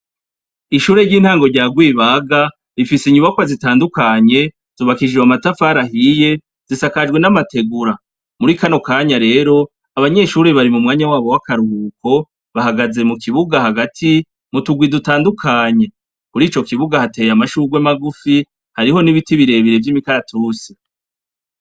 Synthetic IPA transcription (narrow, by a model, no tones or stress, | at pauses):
iʃuːɾeɾɟiːn̥haːŋɡo̞ɾɟaːɡwiːβaːɡa | ɾifisiɲuβakwazitaːndukaɲe̞ | z̥uːβakid͡ʒewamatafaɾahije̞ | z̥isakad͡ʒɡwe̞namate̞ɡuɾa | muɾikano̞kaːɲaɾe̞ːɾo̞ | aβaɲe̞ʃuːɾiβaɾimumŋaːɲawaːβo̞wakaɾuhuːko̞ | βaɦaɡaze̞mukʰiβuɡahaɡatʰi | mutuɡwidutaːndukʰaɲe̞ | kuɾiːt͡ʃo̞kiβuɡahate̞ːjamaʃuːɡwe̞maɡufi | haɾiho̞niβitiβiɾe̞βiɾe̞vjimikaɾatʰusi̥